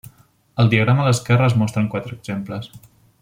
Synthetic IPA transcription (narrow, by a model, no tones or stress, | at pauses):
əlˠd̪iəɣ̞ɾamələskɛrəəzmɔst̪ɾəŋkwat̪ɾəːɡz̥empləs